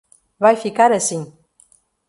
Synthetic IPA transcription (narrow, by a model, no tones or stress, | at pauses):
vajfikaɾəsin